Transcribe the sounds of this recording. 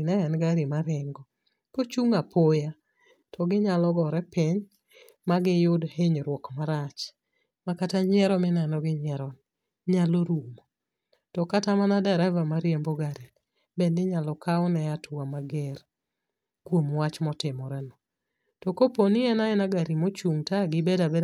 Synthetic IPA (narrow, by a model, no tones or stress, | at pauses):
naɛnɡaɾimaɾɪŋɡɔ | kot͡ʃuŋapʰoja | tʰɔɡɪɲalɔɡɔɾɛpɪɲ | maɡɪjʊdheɲɾwɔkmaɾat͡ʃ | makataɲɛɾɔmɪnɛnɔɡɪɲɛɾɔn | ɲaloɾumɔ | tɔkatamanadɛɾɛvamaɾjemboɡadɛl | bendɪɲalɔkaɔnɛatʊamaɡɛr | kwomwat͡ʃmɔtɪmɔɾɛnɔ | tɔkoponɪɛnaɛnaɡaɾimot͡ʃuŋtaɡɪbedabe